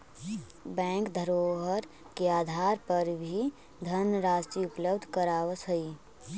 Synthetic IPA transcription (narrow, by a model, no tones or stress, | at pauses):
bɛ̃ːŋkd̪ʱəɾoːɦəɾ | keaːd̪ʱaːɾpəɾbʱi | d̪ʱənɾaːsʈɾiʊpləbd̪ʱkəɾaːwəsəi